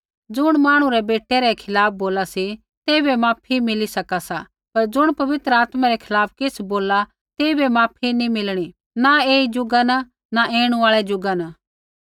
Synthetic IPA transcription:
d͡zʊɽ̃maːɽ̃ũɾɛbeːʈɛɾɛkʰɪlaːp̚ʰboːlasi | t̪eːbɛmaːpʰimɪlisɐkasa | pɐɾd͡ʒʊɽ̃pɐʋɪt̪ɾəaːt̪maɾɛkʰɪlaːp̚ʰkɪsboːla | t̪eːibɛmaːpʰinimɪlɽ̃i | naeːid͡ʒʊɡana | naʔeːɽ̃ũaːɭɛd͡ʒʊɡana

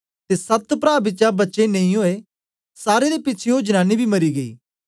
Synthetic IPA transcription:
t̪esɐt̪pɾaːbɪtːʃabɐtːʃeneĩɦoːe | saːɾed̪epɪːt͡ʃʰeod͡ʒənaːnibʱimɐɾiɡəḭː

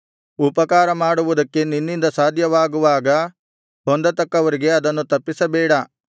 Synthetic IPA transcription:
upɐkaːɾɐmaːɽuʋud̪ɐkːe̞ninːind̪ɐsaːd̪ʱjɐʋaːɡuʋaːɡɐ | ɦond̪ɐt̪ɐkːɐʋɐɾiɡe̞ɐd̪ɐnːut̪ɐpːisɐbɛːɽɐ

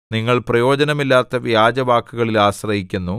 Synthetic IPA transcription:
niŋːɐɭprɐjo̞ːd͡ʑɐnɐmilːaːt̪ːɐʋjaːd͡ʑɐʋaːkːuɣɐɭilaːɕrɐɦikʲːunːu

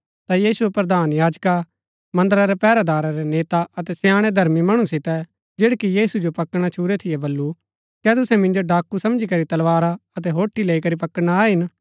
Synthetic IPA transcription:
t̪ajiːsuɛpɾɐd̪aːnjaːd͡ʒka | mɐ̃nd̪əɾaɾɛpɛːɾad̪aːɾaɾɛneːt̪aɐt̪ɛsjãːɽ̃ed̪ʱɐɾmimɐɽ̃usɪt̪ɛ | d͡ʒeːɽkijiːsud͡ʒopɐkɽ̃at͡ʃʰuːɾet̪ʰɪjɛbɐlːu | kɛt̪ʊsɛ̃mɪ̃nd͡ʒoɖaːkːusɐ̃md͡ʒikɐɾit̪ɐlʋaːɾaɐt̪̬ɛɦoːʈʰːileːikɐɾipɐkəɽɽ̃aːɦɪn

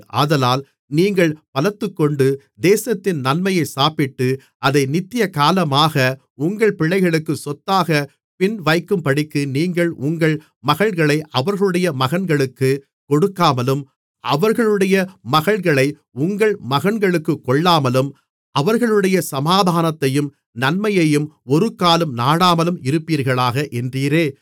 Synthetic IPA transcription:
ʔa̰ːðɐlaːl | niːŋɡɐɭpɐlɐt̪ːɯkːɔɳɖɯ | d̪eːsɐt̪ːɪnnɐnmɐjɐɪsaːpɪʈːɯ | ʔɐðɐɪnɪt̪ːɪjɐkaːlɐmaːɣɐ | ʊŋɡɐɭpɪɭːɐɪɣɐɭɯkːɯsɔt̪ːaːɣɐ | pɪnʋɐɪkːɯmpɐɽɪkːɯniːŋɡɐɭʔʊŋɡɐɭ | mɐɣɐɭɣɐɭɐɪʔɐʋɐɾɣɐɭɯɽɐjɐmɐɣɐnɡɐɭɯkːɯ | kɔɽɯkːaːmɐlɯm | ʔɐ̰ʋɐɾɣɐɭɯɽɐjɐmɐɣɐɭɣɐɭɐɪ | ʊŋɡɐɭmɐɣɐnɡɐɭɯkːɯkːɔɭːaːmɐlɯm | ʔɐʋɐɾɣɐɭɯɽɐjɐsɐmaːðʱaːnɐt̪ːɐjɯm | nɐnmɐjɐjɯmɔɾɯkaːlɯmnaːɽaːmɐlɯmɪɾɯpːiːɾɣɐɭaːɣɐʔɛndriːɾeː

